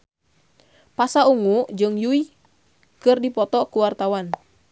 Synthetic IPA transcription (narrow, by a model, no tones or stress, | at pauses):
pasauŋuʔd͡ʒɨŋjui | kɨrdipɔt̪ɔkuwart̪awan